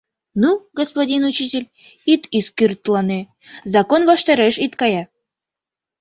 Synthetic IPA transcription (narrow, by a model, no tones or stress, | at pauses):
nuɡospadʲinut͡ɕitʲɪlʲ | it̪iskyrt̪lɑne | zɑkonvɑʃt̪ɑɾeʃit̪kɑjɑ